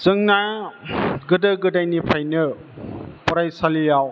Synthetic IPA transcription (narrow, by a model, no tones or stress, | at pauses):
z̥ɯŋna | ɡɯdɯɡɯdajnipʰajnɯ | pɔɾajsalijaw